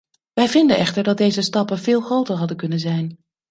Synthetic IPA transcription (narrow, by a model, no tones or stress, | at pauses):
ʋɛjvɪndənʔɛχtəɹdɑt̚dejzəstɑpənvɪːlˠχrowtəɹɦɑdənkɵnənzɛjn